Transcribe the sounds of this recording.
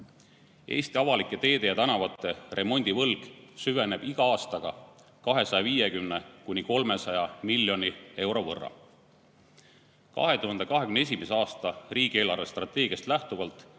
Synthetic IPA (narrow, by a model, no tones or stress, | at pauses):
ʔe̞̰ːst̪iɑvɑlikːˑe̞t̪e̞ːd̪e̞jɑt̪ænɑvɑt̪ˑːe̞rʔe̞mo̞nʲd̪̥ivɤlɡ̥syve̞ne̞b̥iɡ̥ɑɑːst̪ɑɡ̥ɑ | kɑɦe̞sɑjɑviːje̞kymnekunʲiko̞lme̞sɑjɑmilːjo̞nʲie̞wɾo̞vɤ̰rːɑ̰ | kɑ̰ɦe̞t̪uɦɑnd̪ekɑɦe̞kymnesimeseɑːst̪ɑriːɡ̥ie̞ːlɑrvest̪rɑt̪ːˑe̞ːɡ̥iɑst̪læht̪uvɑlt̪ˑ